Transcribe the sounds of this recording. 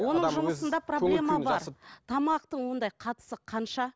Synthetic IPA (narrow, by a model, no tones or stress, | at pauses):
wo̞nəɴʒʒʊməsənd̪ɑproblʲe̞mɑbɑɾt̪ʰɑmɑq̚t̪əɴwo̞nd̪ɑjqʰɑt̪ə̥səqʰɑnʃɑ